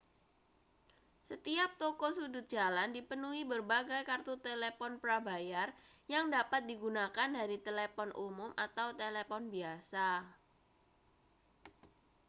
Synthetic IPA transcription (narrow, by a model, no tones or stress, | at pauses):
sət̪iap̚t̪ɔkɔsudʊt̪̚d͡ʒ̥alandipənuɦibərbaɡajkart̪ut̪elepɔnpɾabajarjaŋdapat̪̚diɡunakandaɾit̪elepɔnʔumʊmʔat̪awt̪elepɔnbiasa